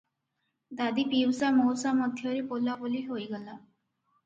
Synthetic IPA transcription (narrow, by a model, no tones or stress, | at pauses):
d̪ad̪ipiwsamowɾsamɔd̪ʱjɔɾipolːabɔliɦojɡɔla